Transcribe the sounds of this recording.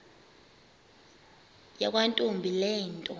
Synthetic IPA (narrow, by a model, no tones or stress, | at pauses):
jak̬ʼwantʼumbʱilɛːntʼɔ